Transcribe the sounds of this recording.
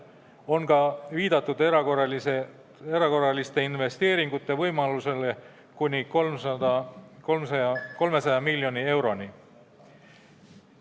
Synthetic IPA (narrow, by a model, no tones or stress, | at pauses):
o̞nkɑviːd̪̥ɑt̪ːˑud̪̥eɾɑkorɑlise | eɾɑko̞rːɑlist̪e̞inve̞st̪e̞ːɾiŋɡ̥ut̪ːˑe̞vɤjmɑluse̞le̞ | kunʲikolmsɑd̪ɑkolmsɑɑko̞lme̞sɑjɑmilʲjo̞nʲie̞wɾo̞ni